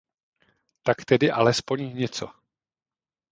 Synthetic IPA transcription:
t̪akt̪ɛdɪʔalɛspo̞ɲɲɛt͡so

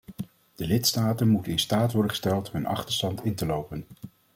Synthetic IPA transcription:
d̥əlɪtstaːtənmutənɪnstaːtʋɔɹdəχəstɛlˠtɦɵnʔɑ̰χtəɹstɑntɪntəlowpən

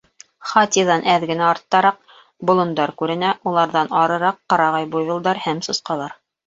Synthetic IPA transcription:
χɑt̪ʲiðɑnʔæðɡɘ̆næɑɾt̪ːɑɾɑq̚ | bŏlˠŏnd̪ɑɾkʉɾɘ̆næʔulˠɑɾðɑnɑɾɤ̆ɾɑqːɑɾɑʁɑjbujβɤ̆lˠd̪ɑɾhæmsŏsqɑlˠɑɾ

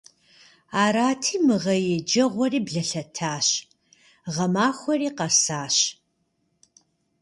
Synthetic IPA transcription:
aːɾaːtʰiːmɨʁɐjed͡ʒɐʁʷɔriːbɮɐɬɐtʰaːɕ | ʁɐmaːxʷɔriːqɐsaːɕ

